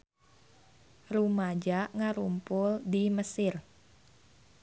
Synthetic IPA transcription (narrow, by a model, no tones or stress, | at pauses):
rumad͡ʒaŋaɾumpʊldiməsɪr